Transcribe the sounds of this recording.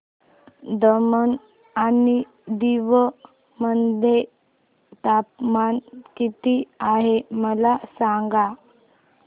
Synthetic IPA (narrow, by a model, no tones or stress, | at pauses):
d̪əmən | ani | d̪iʋə | mənd̪ʱe | t̪ap̚mankit̪iaɦeməlasaŋɡa